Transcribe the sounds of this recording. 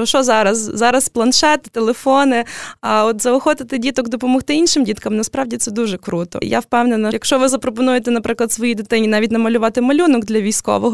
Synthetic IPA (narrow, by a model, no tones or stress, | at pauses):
ʃɔzɑɾɐszɑɾɐsplˠɐnʃɛt̪t̪elˠefɔnɪaɔt̪zɐʊxɔt̪ɪt̪ɪdʲit̪ɔɡd̪ɔpɔmɔxt̪ɪinʃɪmdʲit̪kɐmnɐspɾɑwdʲit̪sɛd̪uʒɛkɾut̪ɔ̰ja̰wpɛwnɛnɐjɐkʃt͡ʃɔʋɪzɐpɾɔpɔnujet̪ɛnɐpɾɪklˠɐdt̪sʋɔjid̪ɪt̪ɪnʲinɑʋʲitʲnɐmɐlʲʊʋɑt̪ɪmɐlʲunɔɡd̪lʲɐʋʲijsʲkɔ̰ʋɔɦɔ